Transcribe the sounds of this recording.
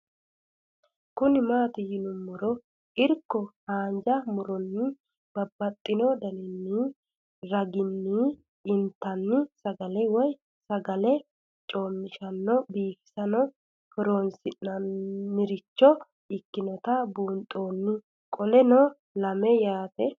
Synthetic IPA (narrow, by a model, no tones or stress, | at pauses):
kʊnɪmaːt̪ɪjɪnʊmːʊɾɔ | ʔɪɾkːɔhaːnd͡ʒɐmʊɾɔnːɪ | b̥ɐbːɐt̪ʼːɪnɔd̪ɐnɪnːiː | ɾɐɡɪnːi | ʔɪnt̪ːɐnːɪsɐɡɐlɛwɔj | sɐɡɐlɛ | t͡ʃʼo̞ːmːɪʃɐnːɔbiːfɪ̥sɐnɔ | hɔɾoːnsɪnːɐnːɪɾɪt͡ʃːɔ | ɪkːɪnɔt̪ɐbuːnt̪ʼo̞ːnːɪ | kʼɔlɛnɔ | lɐmɛjaːt̪ɛ